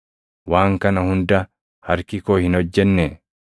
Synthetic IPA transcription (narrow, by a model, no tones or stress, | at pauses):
waːŋkɐnɐhʊnd̪ɐ | hɐɾkɪkoːhɪnɔd͡ʒːɛnːɛ